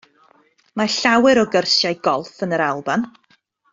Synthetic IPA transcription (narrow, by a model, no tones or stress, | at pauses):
maɬawɨɾɔɡərsjajɡɔlˠfənəɾalˠban